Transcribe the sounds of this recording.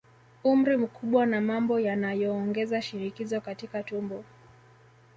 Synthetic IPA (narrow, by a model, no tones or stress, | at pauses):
um̩ɾim̩kʰuɓwanamambɔjanajɔːŋɡɛzaʃiɾikizɔkatikatumbɔ